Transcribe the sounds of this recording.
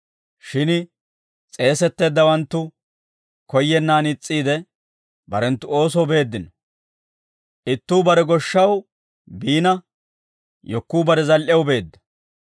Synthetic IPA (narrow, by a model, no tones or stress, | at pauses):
ʃɪn | t͡sʼe̞ːsɛt̪ːe̞ːd̪ːɐwɐnt̪ːʊ | kɔjːɛnːaːnɪt͡sʼːiːd̪ɛ | bɐɾɛnt̪ːʊo̞ːs̬ɔwbe̞ːd̪ːɪnɔ | ʔɪt̪ːuːbɐɾɛɡɔʃːɐw | biːnɐ | jɔkːuːbɐɾɛzɐlʔɛwʊbe̞ːd̪ːɐ̥